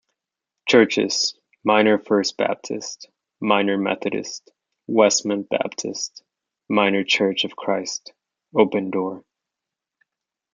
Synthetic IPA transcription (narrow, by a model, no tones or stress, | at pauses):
t͡ʃʰɜ˞t͡ʃɪ̰z̥ | mãɪ̃nə˞fɜ˞s̚b̥æ̰p̚tʰɨ̰st | mãɪ̃nə˞mɛ̰θɨɾɨ̰st | wɛsmɨ̃nb̥æ̰p̚tʰɨ̰st | mãɪ̃nə˞t͡ʃʰɜ˞t͡ʃʌv̥kʰɹ̥aɪst | oʊpɨ̃ndɔɹ